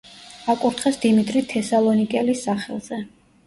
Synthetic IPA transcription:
akʼuɾt̪ʰχɛsd̪̥imit̪ʼɾit̪ʰɛsalˠɔnikʼɛlisːaχɛ̰lˠz̥ɛ

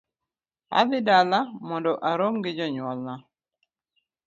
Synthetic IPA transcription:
a̰ðɪdalamɔndɔʔaɾomɡɪd͡ʒɔɲwɔlna

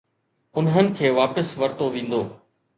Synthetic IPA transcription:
ʊnɦənɪ̆kʰeːʋaːpəsʋɐɾt̪oʋĩːn̆d̪oː

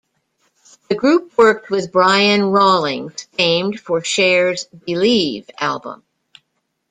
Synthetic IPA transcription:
ðɨɡɹʉp̚wɜ˞k̚t̚wɨðbɹaɪɨ̃nɹɔlˠɪ̃ŋz̥nẽɪ̃md̥fə˞ʃɛɹzbilivælˠbə̰̃m

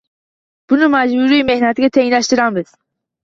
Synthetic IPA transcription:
b̥unumad͡ʒbuɾiimehnat̪ʰiɡat̪ʰeinlaʃt̪ɨɾanbɨt̪

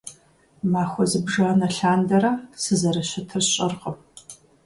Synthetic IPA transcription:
maːxʷɔzɨbʒanɐɬaːndɐɾɐsɨzɐrɐɕɐtʰɨrɕʼɐrqəm

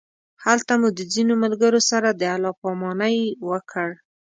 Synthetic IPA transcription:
halt̪amud̪əzinomalɡəɾosaɾad̪əalɑpɑmɑnajwəkʰəɽ

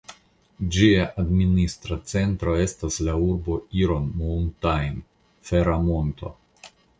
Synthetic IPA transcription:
d͡ʒiaʔadministɾat͡se̞ntɾo̞e̞staslauɾbo̞iɾo̞nmontajm | feɾamonto̞̰

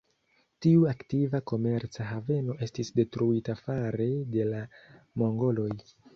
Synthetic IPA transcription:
tiuaktivako̞me̞ɾt͡saɦave̞no̞ʔe̞stisde̞tɾuitafaɾe̞de̞lamo̞ŋɡo̞lo̞j

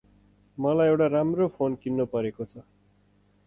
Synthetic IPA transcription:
mʌlajewʈaɾamropʰonkinːopʌɾekot͡sʰʌ

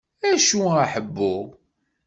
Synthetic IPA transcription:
æʃuaħəbːʊʁ

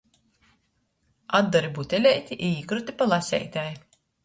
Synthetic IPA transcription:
ad̪̚ːɔɾibut̪ʲelʲɛjt̪ʲiʔiiːkɾut̪ʲipalˠasʲɛ̰jt̪ʲaj

